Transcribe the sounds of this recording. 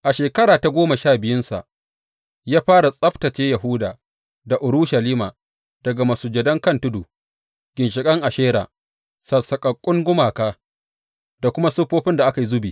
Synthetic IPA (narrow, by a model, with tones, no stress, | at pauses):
ʔa˨ʃeː˨kɐ˦ɽaː˨ta˨ɡʷoː˦mɐ˨ʃaː˦˨bɪ˨jʊ˦nsa̰˨ʔ | jaː˦ɸaː˦ɾa˨sʼɐ˦ɸtɐ˨t͡ʃeː˦jɐ˨ɦʊ˦daː˨ | da˨ʔʊ˨ɾʊ˦ʃɐ˨liː˦maː˨ | d̥ɐ˨ɡa˨mɐ˨suː˨d͡ʒɐ˨dɐ˦ŋkɐ˦ntʊ˦duː˨ | ɡ̥ʲɪ˨nʃɪ˨kʼɐ˦ŋʔa˨ʃeː˦ɾa̰ː˨ | sɐ˨sɐ˨kʼɐ˨kʷʼʊ˦ŋɡʷʊ˦maː˨kaː˦ | d̥a˨kʷʊ˦ma˦sʊ˦ɸoː˦ɸɪ˦nda˨ʔa˦ka˨ji˦zʊ˦biː˨